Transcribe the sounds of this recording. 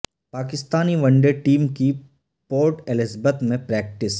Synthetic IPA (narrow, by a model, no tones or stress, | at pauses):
paːkɪst̪aːniʋɐ̃ɳɖeʈiːmki | poːɾʈɛlɪzbət̪mẽpɾɛːk̚ʈɪs